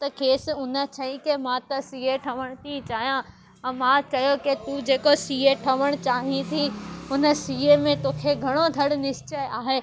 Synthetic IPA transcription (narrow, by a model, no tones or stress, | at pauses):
t̪ɐkʰeːsʊnət͡ɕʰɐĩkemãt̪ɐsiːeʈʰɐʋəɽ̃t̪it͡ɕaːɦijã | ɐ̃mãt͡ɕɐjoket̪ud͡ʑeːkosiːeʈʰɐʋəɽ̃t͡ɕaːɦĩt̪ʰiʊnə̆siːemẽt̪oːkʰeɡʱɐɽ̃od̪ʱɐɽnɪst͡ɕeʔaːɦeː